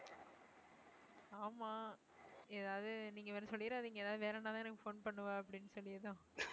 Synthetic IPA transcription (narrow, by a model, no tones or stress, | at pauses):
aːmaː | eːðaːʋðɯniːŋɡɐʋeːnsɔlːɪɾaːɐðɯɪŋɡɐɛːðaːðɯʋeːlɐnːaːt̪ãːnaːŋɡɐfoːnpɐɳːɯʋãːɐpːɐɽɪnːɯsɔlːɪɐðãː